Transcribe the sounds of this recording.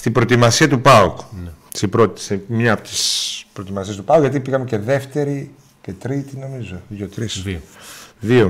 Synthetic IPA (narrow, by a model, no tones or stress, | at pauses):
st̪ibɾo̞t̪imɐsiɐt̪upɐoku̥sibɾo̞t̪i̥semɲɐːpot̪i̥spɾo̞t̪imɐsist̪upɐokʝɐt̪̬ipiɣɐmece̞ðe̞ft̪e̞ɾi | ce̞t̪ɾit̪ino̞mizo̞ðʝot̪ɾis | ðio